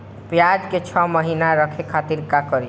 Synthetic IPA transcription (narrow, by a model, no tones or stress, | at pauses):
pjad͡ʒket͡ʃʰɔməɦinaɾʌkʰekʰat̪iɾkakʌɾi